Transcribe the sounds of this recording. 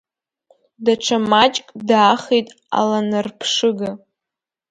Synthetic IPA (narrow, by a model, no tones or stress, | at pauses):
daʈ͡ʂʰamat͡ʃʼkʼdaːχejtʼ | a̰lanɨrpʰʂɨɡa